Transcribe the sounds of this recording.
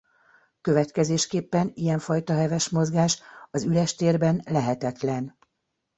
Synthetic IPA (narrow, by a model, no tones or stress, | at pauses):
kø̞vɛt̪kɛzeːʃkeːpːɛnijɛɱfɒjt̪ɒɦɛvɛʃmo̞zɡaːʃɒzylɛʃt̪eːrbɛnlɛɦɛt̪ɛt̪lɛn